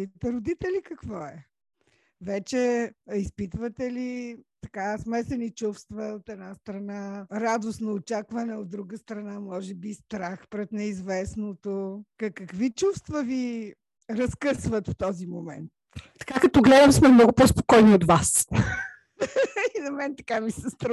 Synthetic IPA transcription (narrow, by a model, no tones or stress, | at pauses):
it̪ɛɾʊd̪it̪ɛlikɐkvɔɛ | vɛt͡ʃɛispit̪vət̪ɛlit̪ɐkasmɛsɛnit͡ʃufst̪vəot̪ɛd̪nast̪ɾɐnaɾad̪osnoot͡ʃakvɐnɛod̪̚d̪ɾuɡəst̪ɾɐnamɔʒɛbist̪ɾaxpɾɛt̪nɛizvɛsnot̪okəkəkvit͡ʃufst̪vəvi | ɾɐskɤsvət̪ft̪ɔzimomɛ̰nt̪̚ | t̪ɐ̥kakɐt̪ɔɡlɛd̪əmsmɛmnɔɡʊpɔspo̥kɔjniot̪vas | inɐmɛnt̪ɐ̥kamisɛst̪ɾ